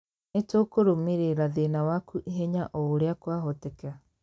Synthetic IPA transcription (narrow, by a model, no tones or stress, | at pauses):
netokoɾomeɾeɾaðenawakuʔiɦɛɲaʔɔoɾeakwaɦɔtɛka